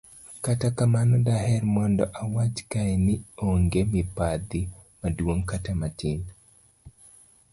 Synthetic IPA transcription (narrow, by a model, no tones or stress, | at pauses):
katakamanɔdahɛrmɔndɔʔawat͡ʃkaɛnɪoŋɡemɪpad̪ɪmadwoŋkatamatɪn